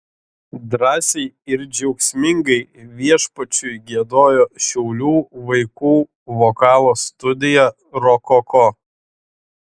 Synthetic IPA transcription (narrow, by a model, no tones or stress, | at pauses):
d̪ɾɑːsʲɛɪɪɾd͡ʒʲɛʊksʲmʲɪŋɡɐɪʋʲiɛʃpɐt͡ʃʲʊɪɡʲiɛd̪oːjoːʃʲɛʊlʲuːʋɐɪkuː | ʋokɑːlˠoːst̪ʊd̪ʲɪjɛ | ɾɔkɔko